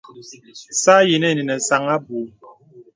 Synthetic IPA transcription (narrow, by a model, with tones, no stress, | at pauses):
sa˦ji˨nɛ˦˨ni˨nɛ˨sa˨ŋa˦bu˨˦